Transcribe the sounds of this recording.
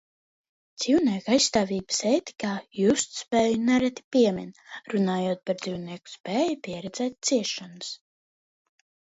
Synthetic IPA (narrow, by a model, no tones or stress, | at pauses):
d̪z̥iwnʲiɛkajsst̪aːvʲiːbɨ̥seːt̪i̥kaːjust̪spɛːjunɛɾɛt̪ʲi̥pʲiɛmʲinɾunaːjoɔt̪̚paɾd̪ziwnʲiɛku̥spɛːjipʲiɛɾɛd̪zɛːt̪̚ʲt̪siɛʃanus